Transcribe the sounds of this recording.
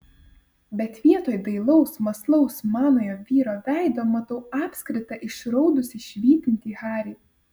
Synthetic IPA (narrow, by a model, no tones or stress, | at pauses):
bʲɛt̪ʋʲiɛt̪oːjd̪ɐɪlˠɒʊsmɐslˠɐʊsmɑːnoːjoːʋʲiːɾoːʋʲæˑɪd̪oːmɐt̪ɐʊɑːpʲsʲkɾʲɪt̪ɐʔɪʃɾɔʊd̪ʊsʲɪʃʲʋʲiːt̪ʲɪnʲt̪ʲiːɣɑːɾʲiː